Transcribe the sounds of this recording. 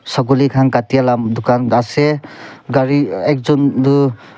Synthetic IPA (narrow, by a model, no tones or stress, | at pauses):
sɔɡulikʰaŋkatijalamd̪ɔkandaseɡaɾiek̚zɔndu